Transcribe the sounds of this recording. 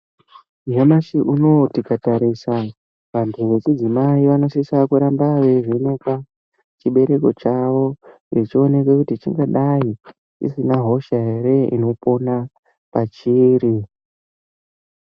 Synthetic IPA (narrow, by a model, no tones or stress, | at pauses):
ɦamaʃiʔuno̞tikataɾisa | ʋantʰuʋe̞t͡ʃid͡zimaiʋano̞sisakuɾambaʐeʐeneka | t͡ʃiɓe̞ɾe̞ko̞t͡ʃaʋo̞ret͡ʃio̞ne̞kwekutit͡ʃḭŋɡaɗai | t͡ʃḭsinaɦo̞ʃaɦe̞ɾe̞ḭno̞po̞na | pat͡ʃiːɾi